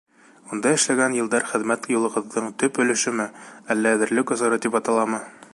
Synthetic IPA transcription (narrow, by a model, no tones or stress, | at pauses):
und̪ɑɘ̆ʃlæɡænjɤ̆lˠd̪ɑɾχɘ̆ðmæt̪julˠɤ̆ʁɤ̆ðːɤɴt̪ɵpɵ̆lɘ̆ʃɘmɘælːæːðɘ̆ɾlɘkŏzɤ̆ɾɤt̪ipɑt̪ɑlˠɑmɤ